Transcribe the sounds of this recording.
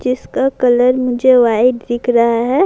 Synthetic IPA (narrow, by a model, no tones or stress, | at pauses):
d͡ʒɪskakɐləɾmʊd͡ʒʱeʋaɪd̪d̪ɪkʰɾaɦaɦɛ